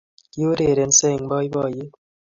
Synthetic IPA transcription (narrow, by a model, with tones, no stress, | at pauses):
jo˦ɾe˨ɾe˨nse˦˨ŋbɔ˦jbɔ˦˨je˦